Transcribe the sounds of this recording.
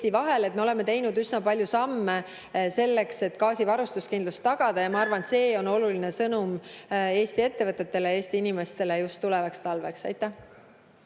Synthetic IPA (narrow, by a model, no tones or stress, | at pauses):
t̪ivɑɦe̞le̞t̪me̞o̞le̞mːe̞t̪e̞jnud̪yznɑpɑlʲjusɑmːe | se̞lːe̞kse̞t̪ːˑkɑːsivɑɾust̪uskind̪lust̪ːɑɡ̥ɑd̪̥ɑjɑmɑɑrvɑnse̞ːo̞no̞luline̞sɤnume̞ːst̪ie̞t̪ːe̞vɤt̪ːˑe̞t̪ːe̞leeːst̪iinime̞st̪e̞le̞just̪ːulɛvɑkst̪ɑlve̞ksɑ̰jt̪ːˑæh